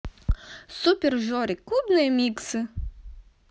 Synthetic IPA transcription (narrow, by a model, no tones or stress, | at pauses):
supʲerʒɔɾʲɪkubnɨjɐmʲiksɨ